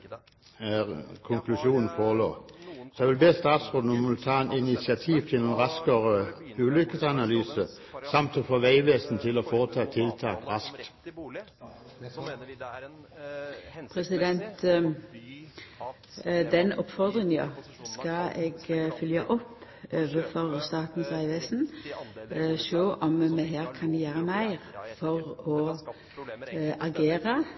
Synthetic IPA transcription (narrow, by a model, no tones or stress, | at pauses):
kʰʊŋkʰlʉʃuːnn̩foːʁɭo̰ːsɑʋɪlbeːst̪ɑːt̪sʁoːd̪n̩ɔmɪlt̪ʰɑːɛnɪnɪsɪɑt̪ʰiːʋt̪ʰɪlunʁɑskəʁəʉːlʏkəsɑnɑlyːsə | sɑmt̪oːfoːʋæɪʋeːsn̩t̪ʰɪloːfoːʁət̪ʰɑːt̪ʰɪlt̪ʰɑːkʁɑskt̪ | pʰʁɛsɪd̪ɛnt̪ | d̪ɛnɔpfɔʁd̪ʁɪŋɑ̰skɑeːɡfʏljɑʔɔpː | øːʋəfɔʁst̪ɑːt̪n̩sʋæɪʋeːsn̩ | ʃoːʔɔmmeɦeːʁkʰɑnd̪ɪjæːʁəmæɪʁfɔʁɔ | ʔɑɡeːʁə